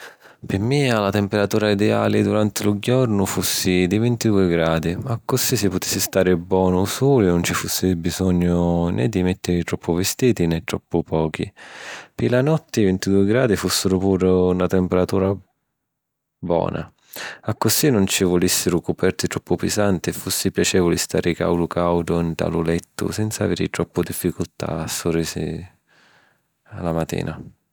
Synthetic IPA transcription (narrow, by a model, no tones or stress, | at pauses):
pɪmɪalat̪ɛmpeɾat̪uːɾaid̪ɛa̰ːlɪd̪uɾant̪ɪlʊɟɔɾnʊfusːid̪ivɪnt̪id̪uːɪɡɾaːd̪iakːʊsisɪpːʊt̪e̥sːɪst̪aːɾɪbwɔːnʊsuːlɪnʊnt͡ʃifusːɪbizɔɲːʊnʔɛ̰d̪ːimɛt̪ːɪɾɪt̪ɾɔpʰːʊvɪst̪iːt̪inɛt̪ːɾɔpːʊpʰɔːk̟ʰḭpɪlanɔt̪ːɪvint̪id̪uːɪɡɾaːd̪ifusːɪɾʊpuːɾunat̪ɛmpɛɾat̪uːɾa | bɔ̰ːnʔa̰ | akːʊsinʊnt͡ʃivʊlisːɪɾʊkʊpɛrt̪it̪ɾɔpːʊpɪsant̪ɪɛfːusːɪpjat͡ʃɛːvʊlist̪a̰ːɾɪika̰wdʊkʰawd̪ʊint̪a̰lulɛt̪ːʊ̰sɛnt̪sa̰veːɾɪ̰t̪ɾɔpːʊd̪ifːikʊlt̪a̰ːsːʊriːsɪ̰ | a̰lːamat̪ːḭːnʔa